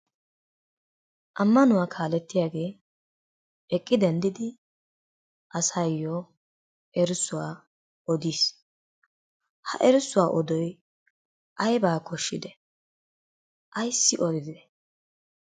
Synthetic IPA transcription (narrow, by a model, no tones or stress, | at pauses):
ʔɐmːɐnʊwaːkʰaːlɛt̪ːɪjaːɡe̞ː | ɛkʼːɪd̪ɛnd̪ɪd̪ɪ | ʔɐsɐjːɔ | ɛɾsʊwaː | ɔd̪iːs | hɐ̰ʔɛɾɪsʊwaːʔɔd̪ɔj | ʔɐjbaːkʰɔʃːɪd̪ɛ | ʔɐjsːɪʔɔd̪ɪd̪ɛ